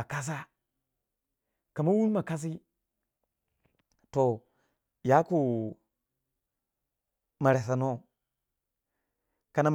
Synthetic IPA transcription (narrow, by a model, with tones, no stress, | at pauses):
a˨ka˦s̬a˦ | ka˨ma˦wu˦n˦ma˨ka˦s̬i˦ | to˨ | ja˦ku˨ | ma˨ɾe˨sa˨no˦ | ka˨na˨m